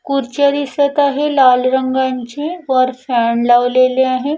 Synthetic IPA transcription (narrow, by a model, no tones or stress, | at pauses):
kuɾt͡ʃəɾisɐt̪aɦẽlaːlɾɐ̃ŋɡant͡ʃẽɔːɾfʰɛːɳlaːʋleːleaɦɛ̃